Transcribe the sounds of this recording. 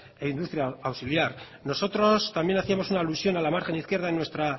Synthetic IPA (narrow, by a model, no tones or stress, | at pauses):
eind̪ust̪ɾjaawsiljaɾ | no̞so̞t̪ɾo̞st̪ambje̞naθiamo̞sunaːlusjo̞nalamaɾxe̞niθkje̞ɾðaenːwe̞st̪ɾa